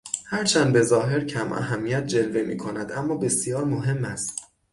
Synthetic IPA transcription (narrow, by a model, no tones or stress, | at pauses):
hæɾt͡ʃʰænd̪be̞zɒːɦe̞ɾcʰæmʔæ̰ɦæmːijæt̪̚ʰd͡ʒe̞lve̞mḭːkʰo̞næd̪æmːɒːbe̞sijɒːɾmo̞ɦe̞mːæst̪